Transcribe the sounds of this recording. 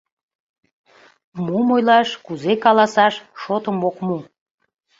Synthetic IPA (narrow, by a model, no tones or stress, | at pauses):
mumojlɑʃkuzekɑlɑsɑʃʃot̪əmokmu